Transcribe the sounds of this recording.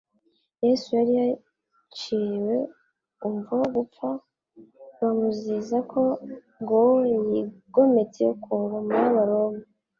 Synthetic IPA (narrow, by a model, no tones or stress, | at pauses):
je̞sujaɾija | t͡ʃiwe̞ | umvuoɡup͡fa | βamuzizakʰo̞ | ŋɡojiɡo̞me̞t͡sejokʰuːvamuɾaβaɾo̞mu